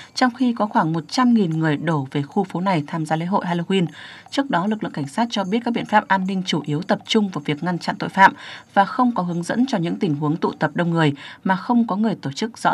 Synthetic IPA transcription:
t͡ɕɔ˧wŋ͡mxi˧kɔ˨˦xwaː˧˩ŋmo˨˩t̚t͡ɕa˧mŋi˨˩nŋɨ˨˩əjɗo˧˩ve˨˩xu˧fo˨˦na˨˩jt̪ʰaː˧mzaː˧lḛ˧˥˦ɦo̰˧˨jɦaː˧lo˧wi˧nt͡ɕɨ˦˥ək̚ɗɔ˨˦lɨ˨˩klɨ̰˧˨ka˧˩ŋ̟saː˦˥t̚t͡ɕɔ˧ɓi˦˥t̚kaː˦˥ɓ̰i˧˨ə̥˨faː˦˥p̚ʔaː˧nːï˧ŋ̟t͡ɕu˧˩ʔi˨˦əwt̪ə˨˩p̚t͡ɕʊ˧ŋ͡mvaː˨˩wvi˨˩ək̚ŋa˧nt͡ɕa̰˧˨nt̪o̰˧˨jfa̰ː˧˨mvaː˨˩xə˧wŋ͡mkɔ˨˦ɦɨ˨˦əŋzə̰˧˥nt͡ɕɔ˧ɲɨ̰˧˥ŋt̪ï˨˩ŋɦu˨˦əŋt̪ṵ˧˨t̪ə˨˩p̚ɗə˧wŋ͡mŋɨ˨˩əjmaː˨˩xə˧wŋ͡mkɔ˨˦ŋɨ˨˩əjt̪o˧˩t͡ɕɨ˦˥k̚z̥ɔ̰˧˥

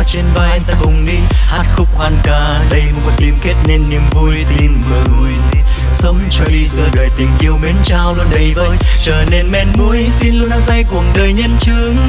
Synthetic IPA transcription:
t͡ɕe˧nvaː˧˩jt̪aː˧kʊ˨˩ŋ͡mɗi˧haː˦˥t̚xʊ˦˥k͡p̚xwaː˧˩nkaː˨˩ɗə˧jmo˨˩kə˨˧˩t̪i˨˩əmke˦˥t̚ne˧nːi˧əmvu˧əjt̪ʰi˧nmɨ˨˩˧j | sə˨˧˦wŋ͡mt͡ɕo˧i˧zəː˧˩ɗəː˨˩jt̪ï˨˩ŋʔi˧əwme˨˦nt͡ɕaː˧wlu˧ənɗə˨˩jvəː˧jt͡ɕəː˧˩ne˧nmɛ˧˩nmu˧əjsi˧nlu˧ənʔaː˧˥sa˧jku˨˩əŋɗəː˨˩jɲə˧nt͡ɕɨ˧˦əəŋ

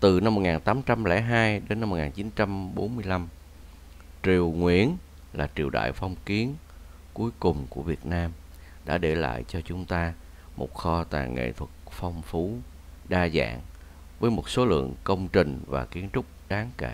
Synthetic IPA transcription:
t̪ɨ˨˩na˧mːo˨˩ŋaː˨˩nt̪aː˨˦mt͡ɕa˧mlɛ̰˧˥ɦaː˧jɗe˨˦na˧mo˨˩ŋaː˨˩nt͡ɕi˨˦nt͡ɕa˧mɓo˨˦nmɨ˧əjla˧m | t͡ɕi˨˩əwŋwḭ˧˥˩ən | laː˨˩t͡ɕi˨˩əwɗa̰ː˧˨jfɔ˧wŋ͡mki˨˦ən | ku˨˦jkʊ˨˩ŋ͡mku˧˩əvi˨˩ət̚naː˧m | ɗa̰ː˧˥ɗe˧˩la̰ː˧˨jt͡ɕɔ˧t͡ɕʊ˨˦ŋ͡mt̪aː˧ | mo̰˨˩t̚xɔ˧t̪a̰ː˨˩ŋʔḛ˧˨t̪ʰwə˨˩k̚fɔ˧wŋ͡mfu˨˦ | ɗaː˧za̰ː˧˨ŋ | vəː˨˦jmo˨˩t̚so˨˦lɨ̰˧˨əŋkə˧wŋ͡mt͡ɕï˨˩ŋ̟va̰ː˨˩ki˨˦ənt͡ɕʊ˦˥k͡p̚ɗaː˨˦ŋke˧˩

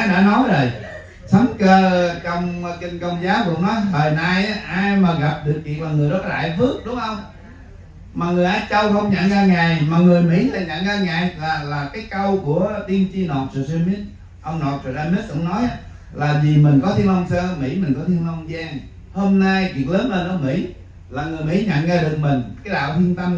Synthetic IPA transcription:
a˨˦ɗa̰ː˧˥nɔ˨˦jzə˨˩j | sɔ˨˦ŋ͡mkəː˧kə˧wŋ͡mki˧ŋkə˧wŋ͡mzaː˨˦wkʊ̰˧˥ŋ͡mnɔ˨˦jɦəː˨˩jna˧jʔaː˧jmaː˨˩ɣa˨˩p̚ɗɨ˨˩ək̚kḭ˧˨ənmaː˨˩ŋɨ˨˩əjɗɔ˨˦˥t̚la̰ː˧˨jvɨ˦˥ək̚ɗʊ˨˦ŋ͡mʔə˧wŋ͡m | maː˨˩ŋɨ˨˩əjʔaː˧˦jt͡ɕə˧wxə˧wŋ͡mɲa̰˧˨ŋɣaː˧ŋa˨˩jmaː˨˩ŋɨ˨˩əjmḭ˧˥la˨˩ɲa̰˧˨˥ŋaː˧ŋa˨˩jlaː˨˩laː˨˩kaː˨˦jkə˧wku˧˩ət̪i˧ənt͡ɕi˧no˨˩t̚su˨˩sɛ˧mi˦˥t̚ | ʔə˧wŋ͡mno˨˩t̚t͡ɕɔ˨˩ɗaː˧mi˦˥t̚kŋ͡mnɔ˨˦j | laː˨˩zi˨˩mï˨˩ŋ̟kɔ˨˦t̪ʰi˧ənlə˧wŋ͡msə˧ə˧mḭ˧˥mï˨˩ŋ̟kɔ˨˦t̪ʰi˧nlə˧wŋ͡mzaː˧ŋ | ho˧mna˧jki˨˩ək̚ləː˨˦nlə˧˩nʔəː˨˦mḭ˧˥ | laː˨˩ŋɨ˨˩əjmḭ˧˥ɲə̰˧˨nɣaː˧ɗɨ˨˩ək̚mï˨˩ŋ̟kaː˨˦jɗa̰ː˧˨wt̪ʰi˧ənt̪ə˧m

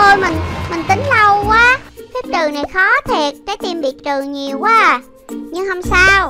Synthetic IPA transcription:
o˧jmï˨˩ŋ̟mï˨˩ŋ̟t̪ï˨˦ŋ̟lə˧wkwaː˨˦t̪ʰi˦˥t̪ɨ˨˩na˨˩jxɔ˨˦t̪ʰi˨˩ət̚t͡ɕaː˨˦˥jt̪i˧mɓḭ˧˨t͡ɕ̪ɨ˨˩ɲi˨˩əwkwaː˨˦ | ɲɨ˧ŋɦə˧wŋ͡msaː˧w

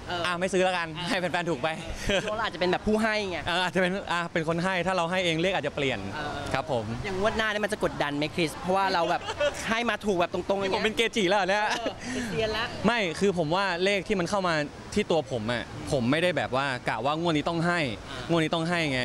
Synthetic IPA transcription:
ʔʔa˧˩ma˥˩jsɯː˦˥la˦˥ka˧nha˥˩pe˧˩pɛː˧nuː˨˩k̚pa˧jla˧wʔaː˨˩t͡ɕa˨pe˧nbɛː˨˩pʰːuː˥˩ɦa˥˩jŋa˧˥˩ʔaː˧˩ʔaː˨˩t͡ɕa˨˩pe˧nʔa˧˩pe˧nkʰo˧nɦa˥˩jt̪ʰaː˥˩ɾa˧wɦa˥˩jʔeː˧ŋle˥˩k̚aː˨˩t̚t͡ɕa˨˩pli˨˩ənkʰɾa˦˥pʰːo˩˦mja˨˩ŋːu˥˩ət̪̚naː˥˩nː˧˥˩m˧nt͡ɕa˨˩ko˨˩t̪̚da˧nma˦˥kʰɾi˦˥pʰɾɔ˦˥waː˥˩ɾa˧wbɛː˨˩p̚ɦa˥˩jmaː˧t̪ʰu˨k̚bɛː˨˩p̚t̪o˧ŋt̪o˧ŋʔa˦˥˩pe˧nkeː˧t͡ɕiː˨˩lɛː˦˥˨na˦˥ | ma˥˩jkʰɯː˧pʰo˩˦mwaː˥˩leː˥˩k̪̚ʰiː˥˩ma˧nkʰa˥˩wmaː˧ | t̪ʰiː˥˩t̪u˧ɐpʰo˩˦mʔa˨˧˩pʰo˩˦mːa˥˩jɾa˥˩jbɛː˨˩p̚waː˥˩klaː˨˩waː˥˩ŋu˥˩nːiː˦˥t̪ɔ˥˩ŋɦa˥˩jŋu˥˩niː˦˥t̪ɔ˥˩ŋɦa˥˩jŋa˦˥

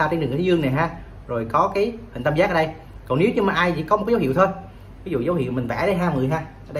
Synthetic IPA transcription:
a˧t͡ɕe˧nɨ˨˩˨i˦zɨ˧əŋna˨˩jɦaː˧ | zo˨˩jkɔ˨˦kaː˨˦jhï˨˩ŋ̟t̪ə˧mzaː˦˥kːəː˧ɗə˧j | kɔ˨˩ne˨˦wɲɨ˧maː˨˩ʔaː˧jt͡ɕḭ˧˥kɔ˨˦m̚˨˩kːə˨˦whḭ˧˨wt̪ʰo˧j | vi˨˦zṵ˧˨zə˨˦whḭ˧˨wm˨˩ŋ̟vɛ̰˧˩˥ɗə˧jɦaː˧mɨ˨˩əjɦaː˧ʔəː˧˩ɗ

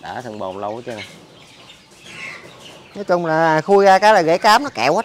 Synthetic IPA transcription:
ɗa̰ː˧˦t̪ʰə˨˩ŋɓo̰˨˩nlə˧wt͡ɕɨ˧˨˩ | nɔ˨˦jt͡ɕʊ˧ŋ͡mlaː˨˩aː˨˩xu˧ɣaː˧kaː˨˦jlaː˨˩ɣḛ˧˥˦kaː˨˦mnɔ˨˦kɛ̰˧˨waː˨˦

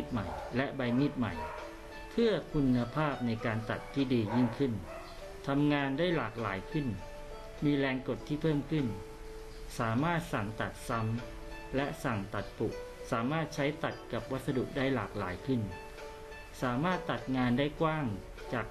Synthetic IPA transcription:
t̪̚ma˨˩jlɛ˦˥ʔba˧jmi˦˥˩t̪̚ma̰˨˩j | pʰɯ˥˩ɐkʰu˧nːa˧pʰaː˥˩p̚na˧jkaː˧nt̪a˨˩t̪ʰːiː˥˩diː˧ji˥˩ŋkʰɯ˥˩n | t̪ʰa˧mŋaː˧ndaː˥˩jlaː˨˩k̚laː˩˦jkʰɯ˥˩n | miː˧lɛː˧ŋko˨˩t̪ʰːiː˥˩pʰɤː˥˩mkʰɯ˥˩n | saː˩˦maː˥˩t̪̚sa˨˩ŋt̪a˨˩t̪̚sa˧˦˥m | lɛ˦˥ʔsa˨˩ŋt̪a˨˩t̪̚pu˨˩k̚ | saː˩˦maː˥˩t̪̚t͡ɕʰa˦˥jt̪a˨˩t̪̚ka˨˩p̚wa˦˥t̪̚sa˧dṵ˨˩ʔ̚daː˥˩jlaː˨˩k̚laː˩˦jkʰɯ˥˩n | saː˩˦maː˥˩t̪ːa˨˩t̪̚ŋaː˧ndaː˥˩jkwaː˥˩ŋ | t͡ɕaː˨˩k̚

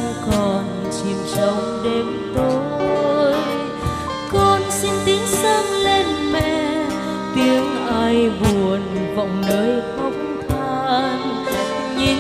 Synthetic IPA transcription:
kɔ˨˩n | t͡ɕi˨˩msə˨˦wŋ͡mɗe˨˦m | t̪o˧ | j | kɔ˧nsi˧nt̪i˨˦əŋsə˧ŋle˧nmɛ̰˧˨ | t̪i˨˦əŋʔaː˧jvu˨˩ən | vɔ̰˧˨wŋ͡mnəː˨˦jxə˨˦wŋ͡m̚ŋ͡mt̪ʰaː˧n | ɲi˧

